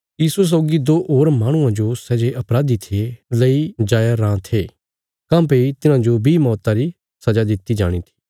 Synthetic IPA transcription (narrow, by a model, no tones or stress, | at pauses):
jiːsues̬ɔːɡid̪oːʔoːɾmaːɽ̃ʊ̃ãd͡ʒosɛːd͡ʒeʔɐpɾaːd̪it̪ʰelɐid͡ʒaːjaɾãːt̪ʰeː | kãːpeit̪ɪnãd͡ʒobʱimɔːt̪aɾi | sɐd͡ʒad̪ɪt̪ːid͡ʒa̰ːɽ̃it̪ʰi̥ː